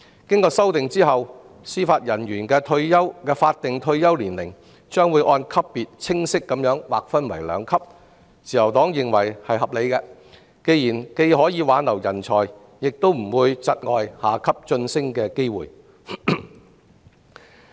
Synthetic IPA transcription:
kɪ˥ŋkɔː˧sɐ˥wt̪ɪ˨ŋt͡siː˥ɦɐ˨w | siː˥faː˧t̚jɐ˨˩njyː˨˩nkɛː˧t̪ʰɵ˧ɥjɐ˥wkɛː˧faː˧t̚t̪ːɪ˨ŋt̪ʰɵ˧ɥjɐ˥wliː˨˩nlɪ˨˩ŋ | t͡ʃœː˥ŋwu˨˧jʔɔː˧nkʰɐ˥pːiː˨t̚t͡sʰɪ˥ŋsɪ˥kːɐ˨˥mjœː˨˥ŋwaː˨k̚fɐ˥nwɐ˨˩jlœ̰ː˨˧ŋkʰɐ˥p̚ | t͡sʰiː˨jɐ˨˩wt̪ɔː˨˥ŋjɪ˨ŋwɐ˨˩jhɐ˨jhɐ˨p̚le˨˧jkɛː˧ | ke˧jiː˨˩nke˧jhɔː˨˥jiː˨˧waː˨˥nlɐ˨˩wjɐ˨˩nt͡ʃʰɔː˨˩j | jɪ˨k̚t̪o˥wm̩˨˩wuː˨˧jt͡sɐ˧t̚ŋɔː˨jhaː˨˩kʰɐ˥p̚t͡ʃɵ˧nsɪ˥ŋkɛː˧ke˥jwṵː˨˩j

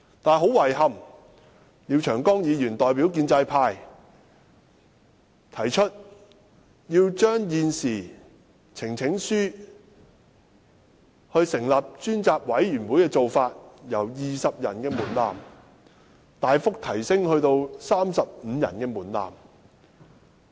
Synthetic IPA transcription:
t̪aː˨˩nɦo˨˥wɐ˨˩jɦɐ˨m | jiː˨˧wt͡ʃʰœː˨˩ŋkɔː˥ŋjiː˨˧jyː˨˩nt̪ɔː˨jpiː˨˥wk̬iː˧nt͡sɐ˧jpʰaː˧j | t̪ʰɐ˨˩jt͡ʃʰɵ˥t̚ | jiː˧wt͡ʃœː˥ŋjiː˨nsiː˨˩ | t͡sʰɪ˨˩ŋt͡sʰɪ˨˥ŋsyː˥ | hɵ˧ɥsɪ˨˩ŋlaː˨p̚t͡ʃyː˥nt͡saː˧p̚wɐ˨˥jɥyː˨˩nwuː˨˥jkɛː˧t͡so˨wfaː˧t̚jɐ˨˩wjiː˨sɐ˨p̚jɐ̰˨˩nkɛː˧muː˨˩nla̰ː˨m | t̪aː˨jfʊ˥k̚t̪ʰɐ˨˩jsɪ˥ŋhɵ˧ɥt̪o˧wsaː˥msɐ˨p̚m̩ː˨˧jɐ̰˨˩nkɛː˧muː˨˩nla̰ː˨˩m

